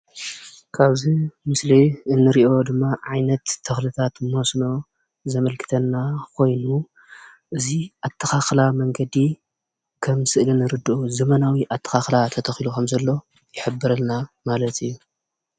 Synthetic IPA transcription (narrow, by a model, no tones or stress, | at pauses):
kʰaβzimɨsliɨnːɨɾiʔo̞d̪ɨmːaʕajnɐt̪ʰːɨxlɨt̪ʰat̪mosno̞ | zɐmɐlkʰɨ̥t̪ʰɐnːakʰo̞jnu | ʔɨziʔat̪ʰːɐxaxlamɐŋɡɐd̪i | kʰɐmsɨʔlinɨɾɨd̪ɨʔuzɐmɐnawiʔat̪ʰːɐ̥xaxlat̪ʰɐt̪ʰɐxilukʰɐmzɐlːo̞ | jɪħɨbːɨɾɐlnamalɐt̪ʰɨjːu